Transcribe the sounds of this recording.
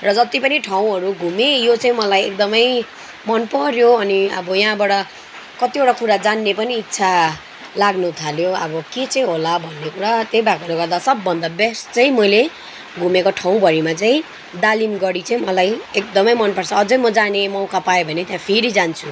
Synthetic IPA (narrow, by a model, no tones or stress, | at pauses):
rʌd͡zʌt̪ipʌniʈʰaw̃ɦʌɾuɡʱumejot͡saĩmʌlajek̚d̪ʌmʌj | mʌnpʌɾjoʌniʌ̰bʌjʌɦãbaɽʌ | kʌt̪ioʈakuɾad͡zanːepʌniːtːsʰa | laɡnut̪ʰaljoʌ̰bʌket͡saĩɦolabʱʌnːekuɽat̪jejbakʌɾoɡʌrd̪asʌbːʌnd̪abest͡saĩmʌjle | ɡʱumekoʈʰaw̃bʌɾimat͡saĩ | d̪alimɡʌɽit͡saĩmʌlajek̚d̪ʌmʌjmʌnpʌrt͡sʰʌːd͡zʌjmʌd͡zanemʌw̃kapaebʱʌnet̪jãpʰiɾid͡zant͡sʰu